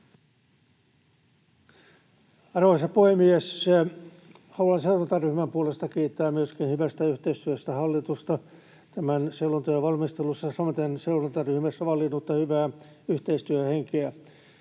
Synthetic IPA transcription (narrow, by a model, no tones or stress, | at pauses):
ɑrʋoisɑpoemies | hɑluɑnseunɑnt̪ɑryhmæmpuolest̪ɑkiːt̪ːæːmyøskinhyʋæst̪æyht̪eist̪yøst̪æhɑlːit̪ust̪ɑ | t̪æmænseulːunt̪ɑjɑʋɑlmist̪elusːɑsɑmot̪enseunɑnt̪ɑryhmæsːæʋɑlːinut̪ːɑhyʋæː | yht̪eist̪yøheŋkeæ